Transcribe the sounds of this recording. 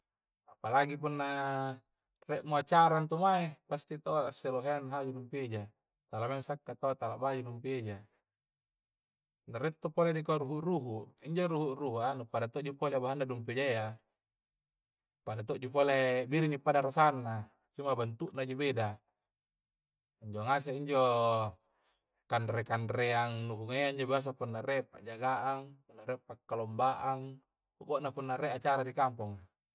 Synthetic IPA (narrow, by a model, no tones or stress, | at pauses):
apalaɡip̬unːa | reʔmuat͡ʃaɾant̪omaepast̪it̪aaasːeloɦeanɦad͡ʒunumped͡ʒa | t̪alamamsakːat̪aat̪alaʔbad͡ʒudumped͡ʒa | naɾet̪ːopoledik̬aɾuɦuʔruɦuʔiɲd͡ʒoɾuɦuʔruɦuanupadat̪oʔd͡ʒupoleabaɦanːadumped͡ʒaja | padat̪oʔd͡ʒupolebiɾinipadaɾasanːa | t͡ʃumːabant̪uʔnad͡ʒobeda | iɲd͡ʒoŋas̬eiɲd͡ʒo | kanɾekanɾeaŋnuʔuŋaaiɲd͡ʒobias̬apunːarepa̰ʔd͡ʒaɡaʔaŋpunːaɾɛpakːalombaʔaŋ | oɡoʔnapunːaɾeʔat͡ʃaɾadikampɔŋa